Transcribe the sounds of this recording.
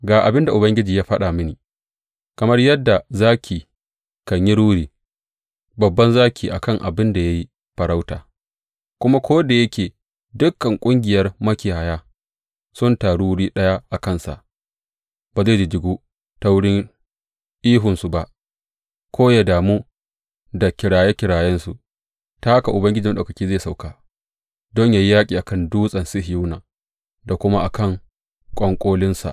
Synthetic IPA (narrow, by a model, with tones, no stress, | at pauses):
ɡaː˨ʔa˨bɪ˦nda˨ʔʊ˨bɐ˦ŋɡʲɪ˦d͡ʒiː˨jaː˦ɸɐ˦ɗa˨mɪ˦niː˨ | kɐ˨mɐ˦rjɐ˦dːa˨zaː˦kʲʰiː˨ | kɐ˨ɲji˦ɽuː˦ɽiː˨˦ | bɐ˨bːɐ˦nzaː˦kʲʰiː˨ʔa˨kɐ˦ŋʔa̰˨bɪ˦nda˨ja˦ji˦ | ɸɐ˨ɾa˦wta̰ː˨ | kʷʊ˦ma˦kʷoː˦da˨jɐ˦kʲeː˨ | dʊ˦kːɐ˨ŋkʷʼʊ˦ŋɡʲɪ˨jɐ˦rmɐ˦kʲi˨ha˨jaː˦ | sʊ˦ntaː˨ɽuː˦ɽiː˦ɗɐ˦ja˦ʔa˨kɐ˦nsa̰˨ʔ | baː˨zeː˦˨d͡ʒi˨d͡ʒɪ˨ɡuː˦ | ta˦wʊ˦ɽɪ˦ŋ | ʔiː˦ɦʊ˨nsu˨ba˨ʔ | kʷʰoː˦jaː˨daː˨muː˦ | da˨kʲɪ˨ɽaː˨je˦kʲɪ˨ɽaː˨jɛ˦nsu˨ | ta˦ha˦ka˨ʔʊ˨bɐ˦ŋɡʲɪ˦d͡ʒɪ˨˦ɗʔa˨kɐ˨kʲiː˦zaː˦˨sa˨wkaː˦ | dɔ˦ɲjaː˨ji˦jaː˦kʲʼiː˨ʔa˨kɐ˦nduː˦sʼɐ˨nsɪ˦ɦju˦naː˨ | da˨kʷʊ˦ma˦ʔa˨kʰɐ˦˨ŋ | kʷʼɔ˦ŋkʷʼoː˦lɪ˦nsa̰˨ʔ